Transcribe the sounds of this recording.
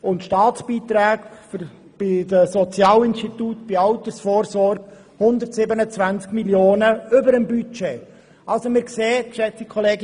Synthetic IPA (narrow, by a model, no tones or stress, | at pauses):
ʊntʃtɑːt͡sb̥iːt̪ɾaːkf | b̥ɪdəsɔt͡sjɑːlɪnstit̪utb̥ɪɑʊt̪əsfoːrsɔrɡ | hʊnd̪ətsɪbənət͡svænt͡skmiljoːnəʏbəɾəmbyt͡ʃeː | ʔɑlsomɪːɾkseːtʃɛt͡sikʰχɔleːɡ